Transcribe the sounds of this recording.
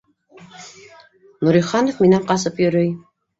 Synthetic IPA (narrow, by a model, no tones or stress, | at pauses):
nuɾiχɑnofminæmqɑs̬ɤpjɵɾɘj